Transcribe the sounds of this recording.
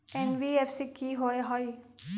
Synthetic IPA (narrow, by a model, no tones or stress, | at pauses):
enʋiefsikiɦoeɦɔi